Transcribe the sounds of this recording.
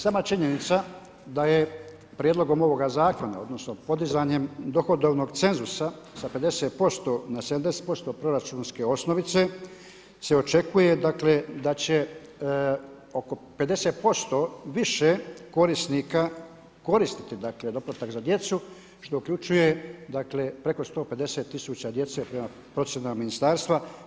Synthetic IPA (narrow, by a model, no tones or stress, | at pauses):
saːmat͡ʃiɲe̞nit̪sa | d̪aje | pɾʲjed̪lˠo̞ɡo̞mo̞ʋo̞ɡazaːko̞na̰o̞d̪no̞sno̞po̞d̪izaːɲe̞md̪o̞xo̞d̪o̞ʋno̞ɡt̪se̞nzusa | sape̞d̪eset̪̚po̞st̪o̞nased̪amd̪e̞set̪̚po̞st̪o̞ːpɾo̞ɾat͡ʃuːnske̞o̞sno̞ʋit̪se̞ | se̞o̞t͡ʃe̞kuje̞d̪akle̞d̪at͡ɕe̞ | o̞ko̞pe̞d̪e̞set̪̚po̞st̪o̞ːʋiʃeko̞ɾisniːka | ko̞ɾist̪i̥t̪id̪akle̞d̪o̞plat̪akzad̪je̞t̪su | ʃt̪o̞ukʎʲut͡ʃuje̞d̪akle̞pɾe̞ko̞st̪o̞ːpe̞d̪e̞set̪ːisuːt͡ɕad̪je̞t̪se̞pɾema | pɾo̞t̪sjenamaminist̪aːɾst̪ʋa